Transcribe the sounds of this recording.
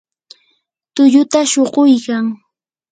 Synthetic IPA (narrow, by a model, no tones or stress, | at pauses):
t̪ʊʎʊt̪aʃoɢojkaŋ